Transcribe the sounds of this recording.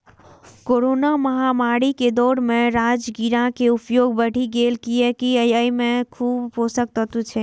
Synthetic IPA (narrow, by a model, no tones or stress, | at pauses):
koɾonaməɦamaɽiked̪ɔɾmeɾad͡ʒɡiɾãkeupjoɡbəɽ̤iɡelkijekiəjəimekʰuːbposək̚t̪ət̪ut͡ʃʰɛ